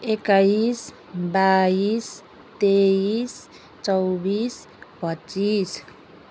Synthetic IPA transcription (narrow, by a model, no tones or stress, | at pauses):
ekais | bais | t̪eis | t͡ʃɔwbis | pət͡ʃːis